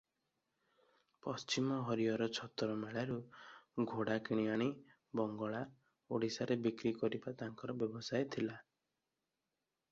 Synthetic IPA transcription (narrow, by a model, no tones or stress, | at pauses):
pɔst͡ʃimɔɦɔɾijɔɾɔt͡ʃʰɔt̪ɔɾɔmeɭaɾuɡʱoɽakiɽ̃iaɽ̃i | bɔŋɡɔɭa | oɽisaɾebikɾikɔɾibat̪aŋkɔɾɔbjɔbɔsajt̪ʰila